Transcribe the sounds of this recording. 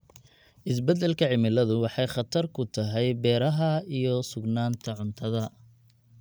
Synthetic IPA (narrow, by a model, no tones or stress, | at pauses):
ʔɪs̬bɛd̪ɛlkʰɐʕɪmɪlɐðʊwɑħɑjχɑt̪ʰɐrkʰʊt̪ʰɐɦɛjbɛːɾɐɦɐijɞsʊɡnaːnt̪ʰɐʕʊnt̪ʰɐðɐ